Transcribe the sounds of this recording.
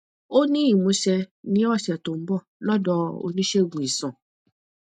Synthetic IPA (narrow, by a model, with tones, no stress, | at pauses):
o˦nĩ˦i˦˨mũ˨˧ʃɛ˧nĩ˦ɔ˦˨ʃɛ˨to˨m̩˦bɔ˦˨lɔ˦˨dɔ˦o̰˧nĩ˦ʃe˦˨ɡũ˨i˨sã˨